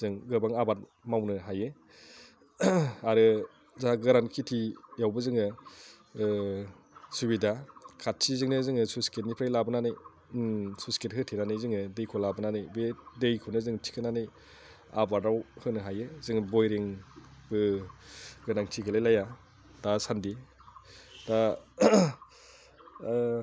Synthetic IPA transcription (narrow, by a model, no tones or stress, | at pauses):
zɯŋɡɯbaŋabat̚ | mawnɯɦajɯ | aɾɯ | zaɡɯɾankʰitʰijawbɯzɯŋɯ | subidakʰatːʰizɯŋnɯzɯŋɯsusket̚nipʰɾajlabɯnanɯj | susket̚ɦɯtʰinanɯjzɯŋɯdejkʰɔlabɯnanɯjbedejkʰonɯzɯŋtʰi̥kʰɯnanɯj | a̰baɾdawhɯnɯɦajɯzɯŋɯbojɾiŋbɯ | ɡɯnaŋtʰiɡɯlajlaja | dasandi | da